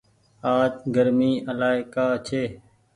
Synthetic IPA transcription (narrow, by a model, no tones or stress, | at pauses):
aːt͡ʃɡəɾmiːʔəlaːɪkaːt͡ʃʰeː